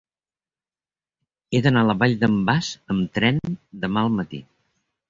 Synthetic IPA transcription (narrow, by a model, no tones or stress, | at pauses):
eðənaləβaʎd̪əmbazəmt̪ɾɛnd̪əmaəlˠmət̪ḭ